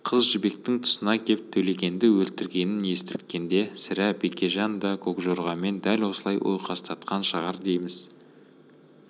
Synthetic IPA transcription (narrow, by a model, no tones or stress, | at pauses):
qʰəzʒɪbe̞k̚t̪ɪŋt̪ʰʊ̥sənɑkʲʰe̞p̚t̪ʰɵle̞ɡʲe̞nd̪ɪwɵlt̪ɪɾɡʲe̞nɪnje̞st̪ɪt̪̚kʲe̞nd̪e̞sɪɾæpekʲe̞ʒɑnd̪ɑkʰo̞kʒoɾʁɑme̞nd̪ælwo̞səlˠɑjwʔo̰jqʰɑst̪ɑt̪̚qɑnʃəʁɑɾd̪e̞jmɪz̥